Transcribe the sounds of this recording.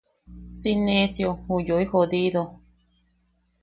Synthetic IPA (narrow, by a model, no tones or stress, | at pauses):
sinẽsjohujoihod̪iðo